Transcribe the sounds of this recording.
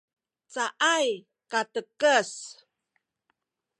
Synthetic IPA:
t͡saʔaj | katəkəs

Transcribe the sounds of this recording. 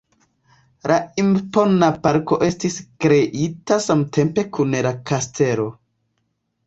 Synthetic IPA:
laimpo̞napaɾko̞ʔe̞stiskɾe̞ʔitasamtʰe̞mpe̞kunlakastʰe̞ɾo̞

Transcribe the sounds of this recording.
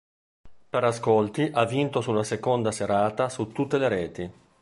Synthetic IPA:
peɾaskolt̪iʔavːint̪osulːasekond̪aseɾaːt̪asut̪ːut̪ːeleɾɛːt̪i

